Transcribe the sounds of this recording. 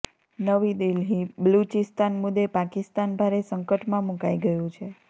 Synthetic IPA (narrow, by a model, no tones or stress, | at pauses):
nəʋid̪ilɦĩbəlut͡ʃist̪anmud̪ːepakist̪anbʱaɾesəŋkəʈmãmũkaiɡəjũt͡ʃʰe